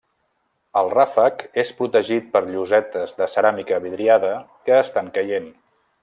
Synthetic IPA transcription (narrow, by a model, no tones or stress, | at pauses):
əlˠrafəkespɾut̪əʒit̪̚pəɾʎuzɛt̪əzðəsəɾamikəβiðɾiaðə | kəːst̪aŋkəjen